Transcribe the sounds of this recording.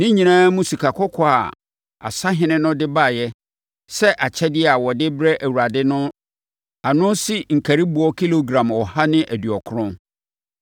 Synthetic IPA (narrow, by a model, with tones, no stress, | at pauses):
nɪ̃˦ɲĩ˨nãː˦mũ˦si˨kʰa˨kʰɔ˦kʰɔ˨a̰˨ | a̰˨sa˦ɦɪ̃˦nɪ̃˦nʊ̃˦dɪ˦ba˦˨jɛ˦ | sɛ˦ʔa˨t͡ɕʰɛ˦dɪ˦˨a˨wɔ˨dɪ˦bɾɛ˦ʔæ˨wu˨a˨dɪ˦nʊ̃˦ | a˨nʊ̃˦si˦ŋ̩˨kʰæ˨ɾi˦bu˨ɔ˦kʰi˦lo˨ɡɾã˨mɔ˨ha˦nɪ̃˦ʔæ˨dɥɔ˨kʰʊ˦ɾʊ̃˦n